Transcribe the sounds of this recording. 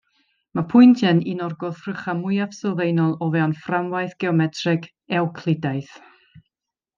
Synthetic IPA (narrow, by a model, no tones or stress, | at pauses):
mapʰʊjntʰɛninɔrɡɔθr̥əχamʊjav̥sɪlˠðejnɔlˠɔvɛɔnframvajθɡ̥ɛɔmɛtʰrɪɡ | ɛwkʰlˠɪdajθ